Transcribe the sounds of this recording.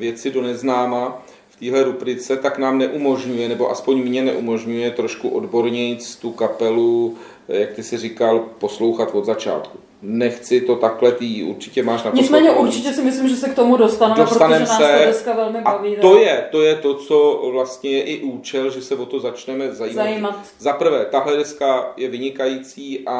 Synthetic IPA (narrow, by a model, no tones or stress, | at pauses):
vjɛt͡sɪdo̞nɛznaːma | ft̪iːɦlɛɾubɾɪt͡sɛt̪aknaːmnɛʔumo̞ʒɲujɛnɛbo̞ʔaspo̞ɲmɲɛnɛ̰ʔumo̞ʒɲujɛt̪ɾo̞ʃkuʔo̞dbo̞ɾɲɪt͡st̪ukapɛlu | jak̚t̪ɪsɪrɪkalpo̞slo̞wxat̪vo̞d̪zat͡ʃa̰ːt̪ku | nɛxt͡sɪt̪o̞t̪aklɛt̪ɪʔṵɾt͡ʃɪ̥cɛmaːʃnapɲɪt͡smɛːɲɛʔuɾt͡ʃɪcɛsɪmɪslimʒɛsɛk̚t̪omudost̪anɛdost̪anɛmsɛdɛskavɛlmɪbaaviːojɛt̪o̞jɛt̪o̞t͡so̞vlast̪ɲɛjɛʔɪʔuːt͡ʃɛlʒɛsɛvo̞t̪o̞zat͡ʃnɛmɛzajiːmajimat̪ | zapr̩vɛːt̪aɦlɛdɛskajɛvɪɲɪkajiːt͡siːʔa